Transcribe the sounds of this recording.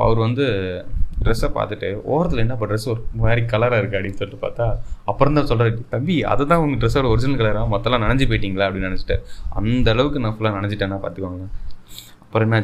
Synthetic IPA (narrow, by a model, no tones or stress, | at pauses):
ɐ̰ʋɐɾɯʋɐnd̪ɯɖɾɛsaːpa̰ːɾt̪ɯʈːɯo̰ːɾɐt̪ːɐlɛnːɐːpːoɖɾɛsɔɾɯmaːɾikːɐlɐɾaːɪɾɯkːɯɐɽinːsɔlːʈːɯpaːɾt̪aːɐpːɯɾɐ̃nd̪ãːsɔlːɾɐʈit̪ɐmbiɐ̰ðɛt̪ãːʋɐŋɡɐɖɾɛsːaːɽɐɔɾɪd͡ʒɪnɐlkɐɭɐɾaːmɐt̪ːɐlːãːnɐɳɐɲd͡ʒip̬ɔjɪʈːiːŋɡɐɭaːɐpːɐɽɪnːnɐnɛt͡ʃːɪ̥ʈːḛ̃ːɐ̰nd̪ɐːɭɐʋɯkːɯnãːfʊlːaːnɐnɛɲd͡ʒɪʈːẽːnːãːpa̰ːɾt̪ɯkːʋaːŋɡɐ | ɐpːɯɾɔ̃ɛnːɐ